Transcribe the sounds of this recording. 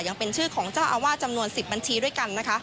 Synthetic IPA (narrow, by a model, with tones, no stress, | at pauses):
ja˧ŋpe˧nt͡ɕʰɯː˥˩kʰɔː˩˦ŋt͡ɕaː˥˩wʔa˧waː˥˩t̪̚t͡ɕa˧mnu˧ənsi˨˩p̚ba˧nt͡ɕʰiː˧du˥˩əjka˧nːa˦˥kʰa˦˥ʔ